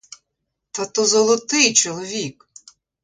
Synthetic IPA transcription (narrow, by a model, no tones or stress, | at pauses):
t̪at̪ɔzɔlˠɔt̪ɪjt͡ʃɔlˠɔʋʲik